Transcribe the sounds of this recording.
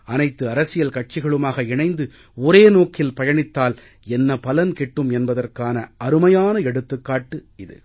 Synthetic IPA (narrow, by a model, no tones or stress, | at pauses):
ɐnɐɪt̪ːɯɐɾɐsɪjɐlkɐʈ̚t͡ʃɪɣɐɭɯmaːɣɐɪɳɐɪnd̪ɯ | ɔɾeːnoːkɪlpɐjɐɳɪt̪ːaːl | ɛnːɐpɐlɐnkɛʈːɯmɛnbɐðɐrkaːnɐɐɾɯmɐjaːnɐɛɽɯt̪ːɯkːaːʈːɯɪðɯ̰